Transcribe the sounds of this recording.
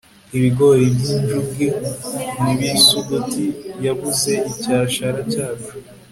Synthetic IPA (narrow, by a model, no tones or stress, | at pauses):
iβiɡo̞ɾibɟinʒub̚ɡeniβisuɡutʰijaβuze̞ʔicaːʃaɾacaːt͡ʃu̥